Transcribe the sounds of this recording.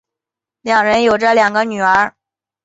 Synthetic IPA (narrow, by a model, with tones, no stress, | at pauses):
ljɑ˨˩ŋɻə˧˥njo˨˩ʊʈ͡ʂə˥˧ljɑ˨˩ŋɡə˦ny˨˩ə˞˧˥